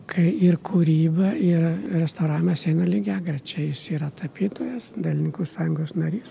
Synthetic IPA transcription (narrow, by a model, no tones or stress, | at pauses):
kʰɐɪɪrkʰuːɾʲiːbɐɪrɾʲɛst̪oʊɾɑːʋʲɪmɐsʲeɪnɐlʲɪɡʲæːɡɾʲɐt͡ʃʲɛjɪsiːɾɐt̪ɐpʲiːt̪oːjɛsd̪ɐlʲɪnʲɪŋkuːsɑːjʊŋɡoːsnɐɾʲiːs